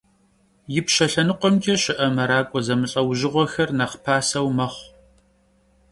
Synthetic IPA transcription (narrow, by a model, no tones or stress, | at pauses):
jɪpʃɐɬɐnɨqʷɔmkʰʲʼɐɕɪʔɐmɐɾaːkʷʼɔzɐmɨɬʼɐwʑɪʁʷɔxɐrnɐχpʰaːsɐwmɐχʷ